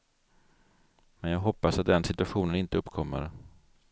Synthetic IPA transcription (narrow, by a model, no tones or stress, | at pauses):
mɛnjɑːɡɦɔpːasat̪̚d̪ɛnsɪt̪ɵaɧuːnənɪnt̪əɵpːkʰɔmːə̰ɾ